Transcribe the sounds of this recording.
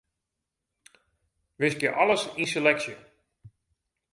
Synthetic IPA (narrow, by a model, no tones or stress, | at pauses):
ʋɪskjəʔɔləsinselɛksjə